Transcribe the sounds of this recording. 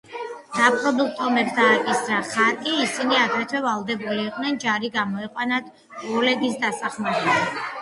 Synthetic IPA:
sapʼɾɔd̪uk̚ʰt̪ʼɔmɛpd̪aːkʼisɾaχak̪ʼiːsiniakʰat͡ʃ̪ʰɛvalˠd̪ɛbuliːqʼnɛnd͡ʒaɾiɡamɔɛqʼwanat̪ʰ | ɔlɛɡisd̪asaχmaɾɛbi

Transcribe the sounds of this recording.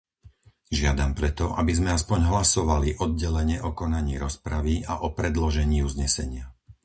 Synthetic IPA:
ʒɪad̪ampɾɛt̪ɔʔabizmɛaspɔɲɦlasɔʋaliʔɔd̪̚ɟɛlɛɲɛʔɔkɔnaɲiːɾɔspɾaʋiaʔɔpɾɛd̪lɔʒɛɲiːuːzɲɛsɛɲɪa

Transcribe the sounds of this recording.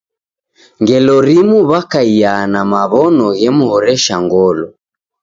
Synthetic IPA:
ŋɡɛlɔɾimuβakaianamaβɔnɔɣɛmuhɔɾɛʃaŋɡɔlɔ

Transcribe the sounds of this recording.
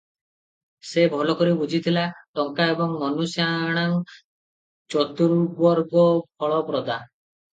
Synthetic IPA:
sebʱɔlɔkɔɾibud͡ʒʱit̪ʰilaʈɔŋkaebɔŋmɔnusjaɽ̃aŋ | t͡ʃɔt̪uɾubɔɾɡɔbʱɔɭɔpɾɔd̪a

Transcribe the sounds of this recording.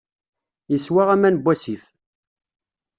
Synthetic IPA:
jəswaʁæmænbʷːæsiθ

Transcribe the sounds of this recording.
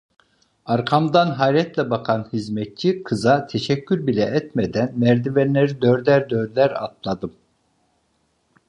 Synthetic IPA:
aɾkʰamd̪anɦaːɾɛt̪lʲɛbakʰanhizmɛt̪̚t͡ʃʰikʰɯzat̪ʰeʃɛcʲʰːyɾbilʲɛɛt̪med̪ænmæɾd̪ivɛnlːeɾid̪øɾlʲæɾd̪øɾlʲæɾa̰t̪̚ʰlˠad̪ɯm

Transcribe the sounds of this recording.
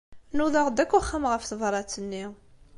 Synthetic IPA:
nuðɑʁd̪ækːʊχːəmʁəfθəvɾˤɑt͡sːənːi

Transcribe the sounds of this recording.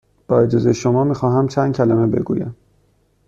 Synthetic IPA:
b̥ɒːed͡ʒɒːzejʃomɒːmiːxɒːɦæmt͡ʃʰænd̪̚cʰælæmebe̞̰ɡṵːjæm

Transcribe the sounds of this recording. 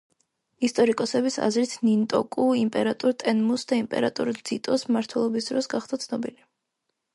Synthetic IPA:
ist̪ʼɔɾikʼɔsɛbisa̰zɾit̪ʰnint̪ʼɔkʼuimpʼɛɾat̪ʼuɾt̪ʼɛnmusd̪aimpʼɛ̰ɾat̪ʼṵɾd̪z̥it̪ʼɔsmaɾt̪ʰwɛlˠɔbisd̪ɾɔsɡaχd̪at̪sʰnɔbili

